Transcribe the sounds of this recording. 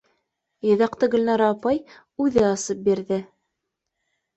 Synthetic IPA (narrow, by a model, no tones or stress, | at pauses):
jɤ̆ðɑqt̪ɤɡɵ̆lʲnɑɾɑːpɑj | ʉðɘɑsɤp̚biɾðɘ